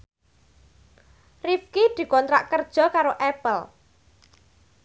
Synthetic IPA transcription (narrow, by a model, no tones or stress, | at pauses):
rifkid̪̥i̤kɔnt̪ɾa̰ʔkərd̥ʒ̥ɔ̤kaɾoʔɛpəl